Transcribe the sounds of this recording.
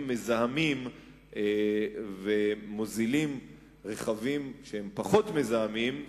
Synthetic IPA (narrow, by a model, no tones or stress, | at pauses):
mːezahamim | evemozilim | ʁeχavimʃehempaχo̞t̪me̞zahamim